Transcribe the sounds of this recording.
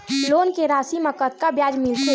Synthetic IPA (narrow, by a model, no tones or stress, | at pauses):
loːnkeɾaːsiməkət̪̚kabjaːd͡ʒmɪlse